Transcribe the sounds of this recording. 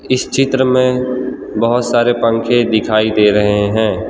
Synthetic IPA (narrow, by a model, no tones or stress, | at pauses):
ɪst͡ʃɪt̪ɾəmẽ | bɐɦʊt̪saːɾepə̃ŋkʰẽd̪ɪkʰaːid̪eːɾɐɦeɦɛ̃ː